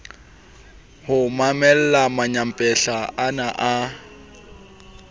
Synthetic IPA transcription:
hʊmamɛl̩lamaɲam̩pʼɛɬaanaʔa

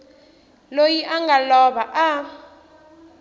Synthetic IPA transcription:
lojiʔaŋɡalɔɓaʔa

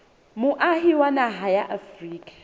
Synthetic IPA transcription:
mʊʔaɦiwanaɦajaʔafriːkʼḁ

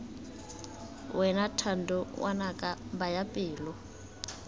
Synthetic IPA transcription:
wʔɛnatʰandʊwʔa̰nakʼabajapʼɪːlɔ

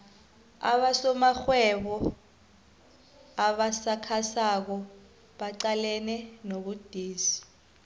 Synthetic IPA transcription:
a̰ɓasɔmaxwɛɓɔ | aɓasakʰasak̬ɔ | ɓaǀalɛnɛnoɓud̥ʱiːz̥i̥

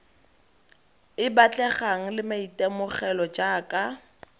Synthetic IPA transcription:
ɪbat͡ɬʼɛχaŋ̩lɪmaitɛmʊχɛlɔd͡ʒaːkʼa

